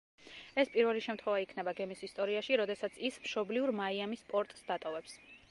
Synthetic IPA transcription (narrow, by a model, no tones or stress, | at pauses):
ɛspʼiɾvɛliʃɛmt̪ʰχwɛvaikʰnɛbaɡɛmisist̪ʼɔɾiaʃiɾɔd̪ɛsat̪sʰismʃɔbliuɾmaiamispʼɔɾt̪ʼsd̪at̪ʼɔvɛps